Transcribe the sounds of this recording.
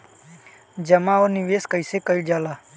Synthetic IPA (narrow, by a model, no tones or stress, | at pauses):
d͡ʒəmaːoːniʋeːskəiseːkəid͡ʒaːlaː